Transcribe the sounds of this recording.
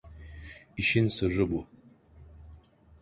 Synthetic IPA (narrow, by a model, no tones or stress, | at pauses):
iʃɪnsɨʐɨbu